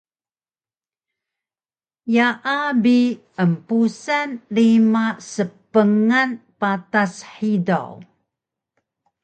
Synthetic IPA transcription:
jaʔabi | əmpusanlimasəpəŋanpatasħida̰w

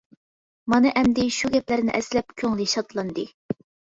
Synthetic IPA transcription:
mɑnɨʔɛmd̪ɪʃuɡʲɛplæɾnɪ̰ʔɛslɛpkʲʰøŋlɪʃɑt̪lˠɑnd̪ɨ

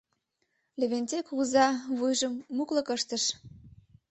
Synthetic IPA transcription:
leβenʲt͡sekuzɑβujʒəmːuklɤ̆kəʃt̪əʃ

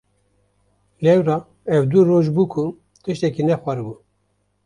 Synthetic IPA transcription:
lɛwɾɑ | ɛwd̪uɾoːʒbuːkʰu | t̪ɨʃt̪ɛkinɛxʷɛɾɨbu

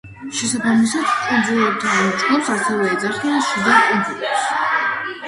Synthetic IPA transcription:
ʃɛsabamisad̪k̪ʼind̪zilɛp̚t̪ʰanmɔt͡ʃʼɡlˠɔpsasɛvɛːd̪zaχianʃid̪akʼinp̪ʰlitɛps

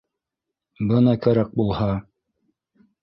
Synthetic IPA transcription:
bɤnɑkæɾæk̚bulˠhɑ

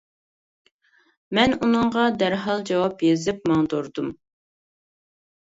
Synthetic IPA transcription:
mɛnunɨŋʁɑd̪æɾɦɑlˠd͡ʒɑwɑpjezɪp̚mɑŋd̪oɾd̪um

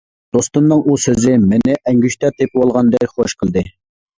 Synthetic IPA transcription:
d̪̥ost̪unːɨŋusøzɪmɪnɪʔɛŋɡʲyʃt̪ɛt̪ʰepwolˠʁɑnd̪ɛkχoʃqʰəlˠd̪ɨ

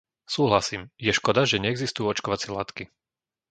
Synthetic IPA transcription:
suːɦlasiːmjɛʃkɔd̪aʒɛɲɛːɡzist̪ujuɔt͡ʃkɔʋat͡sɪɛlat̪ki

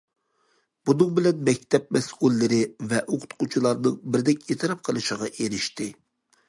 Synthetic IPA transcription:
b̥unɨŋbɪlɛnmɛkʲt̪ʰɛp̚mɛsulːɪɾɪvɛʔoqʰʊ̥t̪qut͡ʃʰilˠɑɾnɨŋbɪɾd̪ɛkʲet̪ʰɨɾɑp̚qʰəlˠɨʃəʁɑʔeɾɪʃt̪ɪ

